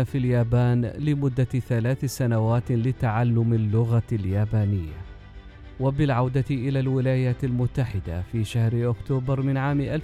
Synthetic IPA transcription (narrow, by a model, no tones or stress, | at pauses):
afiljaːbaːnlɪmʊd̪ːaθalaːθsanawaːt̪lɪt̪aʕalːʊmalːʊɣaljaːbaːnɪjːa̰ | wabɪlʕawd̪aʔɪlaːlwɪlaːjaːt̪almʊt̪ːaħɪd̪a̰fiːʃahɾʔʊkt̪uːbɪɾˤmɪnʕaːmʔal